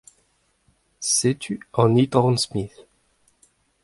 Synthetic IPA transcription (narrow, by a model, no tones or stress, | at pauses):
set̪ʰyɑ̃nit̪ʁɑ̃nsmiθ